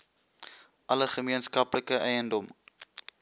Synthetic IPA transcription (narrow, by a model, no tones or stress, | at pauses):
ʔɐləχəmiənskɐpləkəʔɛjəndɔm